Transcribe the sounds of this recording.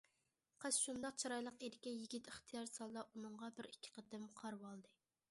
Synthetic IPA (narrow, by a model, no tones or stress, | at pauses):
qʰəsʃund̪ɑq̚t͡ʃʰɑɾɑjlˠəqeɾɪkʲɛjiɡʲit̪ɪχt̪ʰijɑɾsɑlˠːɑʔunɨɴʁɑbɪɾikʲʰːɪ̥qʰət̪ɪmqʰɑɾwɑlˠd̪ɨ